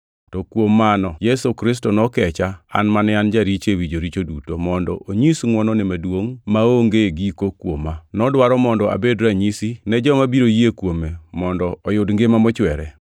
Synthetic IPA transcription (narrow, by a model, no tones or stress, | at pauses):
tɔkwomːanɔjɛsokɾɪs̬tɔnɔkɛt͡ʃaa̰nmanɛand͡ʒaɾit͡ʃewid͡ʒoɾit͡ʃodutomɔndɔ̰ʔoɲisŋwɔnɔnɪmadwoŋmaoŋɡeɡikokwomanɔdwaɾɔmɔndɔa̰bedɾaɲisinɛd͡ʒɔmabiɾojiekwomemɔndɔɔjʊdŋɡemamɔt͡ʃwɛɾɛ̰